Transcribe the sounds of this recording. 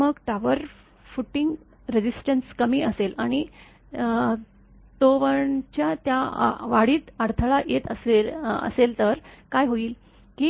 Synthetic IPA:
məɡʈaʋəɾ | fuʈiŋɡ | ɾed͡ʑisʈənskəmiːəselaɽ̃i | t̪oʋəɳt͡ɕjat̪jaʋaɽiːt̪əɽt̪ʰəɭajʔet̪əselə̰selt̪əɾkajɦoiːl | kiː

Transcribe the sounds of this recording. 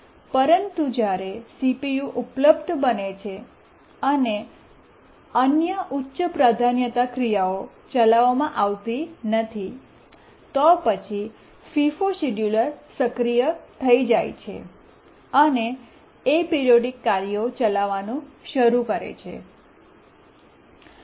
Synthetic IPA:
pəɾənt̪ud͡ʒjaɾesipijuʔupləbd̪ʱbənet͡ʃʰe | əne | ənjəʔutːʃəpɾad̪ʱanjət̪akɾijao | t͡ʃəlaʋamãʔaʋt̪inət̪ʰi | t̪ɔpət͡ʃʰi | fifoʃiɖjuləɾsəkɾijət̪ʰəid͡ʒajt͡ʃʰḛ | əne | epeɾioɖikːaɾijot͡ʃəlaʋanũʃəɾukəɾḛt͡ʃʰḛ

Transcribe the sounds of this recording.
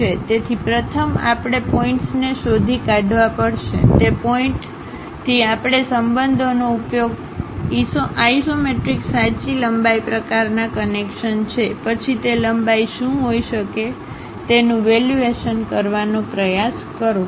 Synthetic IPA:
et̪et̪ʰipɾət̪ʰəma̰pɽ̃epɔĩɳʈsneʃod̪ʱikaɖʱʋapəɽʃḛt̪epoĩɳʈ | t̪ʰiapɽ̃esəmbənd̪ʱonoupjoɡ | ioaisomeʈɾiksãt͡ʃiləmbaipɾəkaɾnakənekʃənt͡ʃʰepət͡ʃʰit̪eləmbaiʃũɦoiʃəke | t̪enũʋeljueʃənkəɾʋanõpɾəjaskəɾo

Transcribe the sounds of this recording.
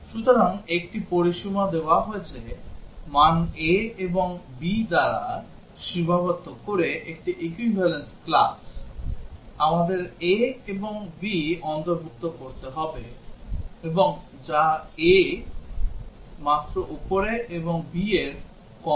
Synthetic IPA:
ʃut̪oɾaŋekʈipoɾiʃumad̪eoaɦoet͡ɕʰemaneeboŋbid̪aɾa̰ | ʃibʱabot̪ːokoɾeʔek̚ʈiʔekwibʱalensklas | amad̪eɾeeboŋbiɔnt̪oɾbʱuk̚t̪okoɾt̪eɦɔbe | eboŋ | d͡ʑae | mat̪ːɾoʔupoɾeʔeboŋbieɾ | kɔ

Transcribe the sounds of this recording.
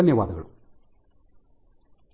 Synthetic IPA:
ɐnːeʋaːd̪ɐɣɐɭṵ

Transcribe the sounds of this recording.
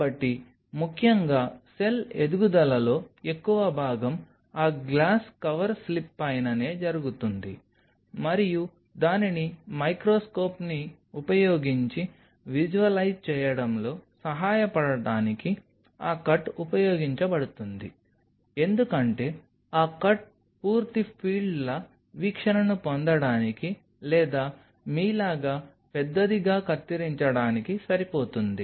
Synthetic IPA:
ɐʈːi | mukʰjɐŋɡaːse̞led̪uɡud̪ɐlɐlo̞ːe̞kːuʋɐbʱaːɡɐm | aːɡlaːskɐʋɐɾslipːɐjɐnɐne̞ːd͡ʒɐɾuɡut̪und̪ḭ | mɐɾiju | d̪aːninimɐjkɾoːsko̞ːpni | upɐjo̞ːɡiɲt͡ʃi | ʋid͡ʒuʋɐlɐjd͡ʒt͡ʃɛːjɐɽɐmlo̞ːsɐɦaːjɐpɐɽɐɽaːniki | aːkɐʈːupɐjoːɡiɲt͡ʃɐbɐɽut̪und̪i | e̞nd̪ukɐɳʈe̞ː | aːkɐʈ̚ | puːɾt̪ipʰiːɖlɐ | ʋiːkʂɐnɐnupond̪ɐɽaːniki | lɛːd̪aː | miːlaːɡaː | pɛd̪ːɐd̪iɡaːkɐt̪ːiɾiɲt͡ʃɐɽaːnikisɐɾipo̞ːt̪und̪i

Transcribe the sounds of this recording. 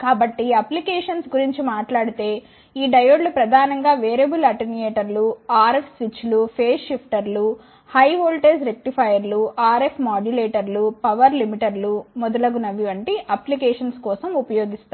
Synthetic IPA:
kaːbɐʈːiɐplikeːʂɐnsɡuɾiɲt͡ʃimaːʈlaːɽit̪e̞ː | iːɖɐjoːɖlupɾɐd̪ʱaːnɐŋɡaːʋeːɾebulɐʈinijeːʈɐɾluaːɾepʰsʋit͡ʃːlupʰeːsːipʰʈɐɾlu | hɐjɦoːlʈeːsɾek̚ʈipʰɐjɐɾluʔaːɾepʰmaːɖuleːʈɐɾlupɐʋɐɾlimiʈɐɾlumɔd̪ɐlɐɡunɐʋiʋɐɳʈiʔɐplikɛːʂɐnskɔːsɐmupɐjoːɡist̪a

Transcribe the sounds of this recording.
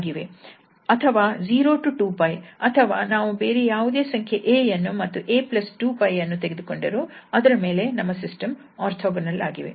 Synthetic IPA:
ɡiʋe̞ | ɐt̪ʰɐʋaːd͡ʒiːɾo̞ːʈuʈuːpɐjɐt̪ʰɐʋaːnaːʋubeːɾejaːʋud̪e̞ːsɐŋkʰjeʔeːɐnːumɐt̪ːuʔeːplɐsʈuːpɐjɐnːut̪eɡed̪uko̞ɳɖɐɾuɐd̪ɐɾɐme̞ːle̞nɐmːɐsisʈɐm | aːɾt̪ʰoːɡɐnɐlaːɡiʋḛ

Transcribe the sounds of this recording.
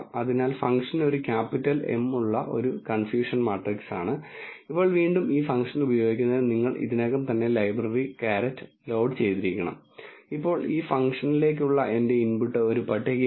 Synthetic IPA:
ɐðinaːlfɐŋkʂɐno̞ɾukʲaːpːitːɐle̞̰mːuɭːɐʔo̞̰ɾukɐnfjuːʂɐnmaːʈriksaːɳɨipːo̞ːɭʋiːɳɖumiːfɐŋkʂɐnubɐjo̞ːɡikʲːunːɐðɨniŋːɐɭʔḭðineːkːɐmt̪ɐnːe̞lɐjbrɐrikaːɾɐtːɨ̥ | loːɖt͡ɕe̞jt̪iɾikʲːɐɳɐ̰mipːo̞ːɭiːfɐŋkʂɐnile̞ːk̬ːuɭːɐʔe̞nde̞inpuʈːɨo̞ɾupɐʈːekː

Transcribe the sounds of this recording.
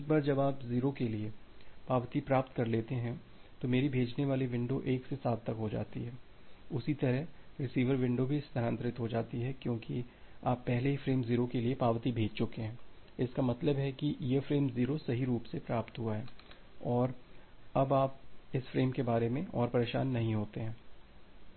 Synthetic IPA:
ɪk̚baːɾd͡ʒɐbaːpziːɾokeliepaːʋt̪ipɾaːpt̪kɐɾleːt̪eɦɛ̃ | t̪omeːɾibʱeːd͡ʒneʋaːleʋɪ̃ɳɖoʔeːksesaːt̪ːɐkɦod͡ʒa̰ːt̪iɦɛː | ʊsit̪ɐɾəɦɾɪsiːʋəɾʋɪ̃ɳɖobʱiɪst̪ʰəɾə̃nt̪ɾɪt̪ɦod͡ʒaːt̪iɦɛkjõːkiaːpːɛɦleɦifɾeːmziːɾokeliepaːʋt̪ibʱeːd͡ʒt͡ʃʊkeɦɛ̃ːɪskamɐt̪ləbɦɛkijefɾeːmziːɾosɐɦiɾuːpsepɾaːpt̪ɦuaɦɛː | ɔːɾɐbaːpɪsfɾeːmkebaːɾemẽɔ̰ːɾpɐɾeːʃa̰ːnːɐɦĩɦoːt̪eɦɛ̃ː

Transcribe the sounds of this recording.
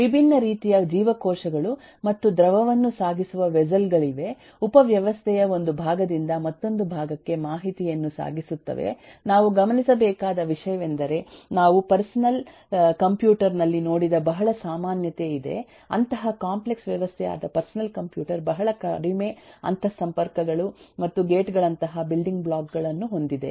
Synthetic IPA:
ʋibʱinːɐɾiːt̪ijɐd͡ʒiːʋɐkoːʃɐɡɐɭu | mɐt̪ːud̪ɾɐʋɐʋɐnːusaːɡisuʋɐʋɛd͡ʒɐlɡɐɭiʋe̞ | upɐʋjɐʋɐst̪ʰɛjɐo̞nd̪ubʱaːɡɐd̪ind̪ɐmɐt̪ːo̞nd̪ubʱaːɡɐkːe̞maːɦit̪ijɐnːusa̰ːɡisut̪ːɐ̰ʋḛnaːʋuɡɐmɐnisɐbɛːkaːd̪ɐʋiʂɐjɐʋend̪ɐɾe̞naːʋupɐɾsɐnɐl | kɐmpjuːʈɐɾnɐlːino̞ːɽid̪ɐbɐɦɐɭɐsaːmaːnjɐt̪e̞id̪e̞̰ | ɐ̰nt̪ɐɦɐkaːmpleksʋjɐʋɐst̪ʰɛja̰ːd̪ɐpɐɾsɐnɐlkɐmpjuːʈɐɾbɐɦɐɭɐkɐɾime̞ɐ̰nt̪ʰɐsɐmpɐɾkɐɡɐɭumɐt̪ːuɡeːʈɡɐɭɐnt̪ɐɦɐbilɖiŋɡbɭaːkɡɐɭɐnːuɦo̞nd̪id̪e̞̰

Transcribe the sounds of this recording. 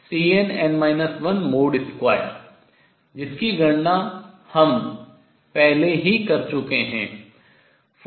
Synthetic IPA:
siːenɛ̃ːɳɖmaːɪnəsʋɐnmoːɖɪskwaːɪə̰ɾ | d͡ʒɪskiɡʱɐɽna | hɐm | pɛɦleɦikɐɾt͡ʃʊkeɦɛ̃ː | f

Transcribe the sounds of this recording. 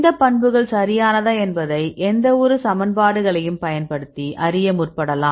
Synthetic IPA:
d̪ɐpɐɳbɯɣɐɭsɐɾɪjaːnɐðaːɛnbɐðɐɪʔɛnd̪ɐɔɾɯsɐmɐnbaːɽɯɣɐɭɐjɯmpɐjɐnpɐɽɯt̪ːiʔɐɾɪjɐmʊrpɐɽɐlaːm

